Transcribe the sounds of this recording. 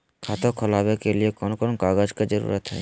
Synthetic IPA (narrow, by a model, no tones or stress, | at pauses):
kʰat̪okʰɔlabekeliekɔnkɔnkaɡad͡ʒked͡ʒəɾṵɾat̪ɦɔ